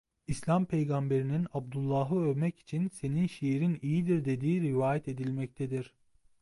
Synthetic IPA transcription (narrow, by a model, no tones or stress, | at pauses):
islʲampʰe̞jɡambe̞ɾininab̚d̪ulˠːaːɦɯøvmɛci̥t͡ʃʰinse̞ninʃeɾinijid̪iɾd̪e̞d̪iːɾivaːjɛt̪e̞d̪ilʲmɛc̚t̪ʰed̪iɾ̥